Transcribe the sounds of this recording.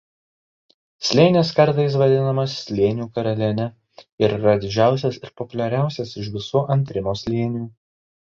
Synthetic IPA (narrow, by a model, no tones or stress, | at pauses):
sʲlʲeːnʲeːskɐɾt̪ɐɪs̬ʋɐd̪ʲɪnɐmɐssʲlʲeːnʲɪjuːkɐɾɐlʲɛnʲɛ | ɪɾiɾɐd̪ʲɪd͡ʒʲæˑʊsʲɛsɪɾpɔpʊlʲɛɾʲæˑʊsʲɛsɪʃ̬ʋʲɪsuːʔɐnʲt̪ʲɾʲɪmoːsʲlʲeːnʲɪjuː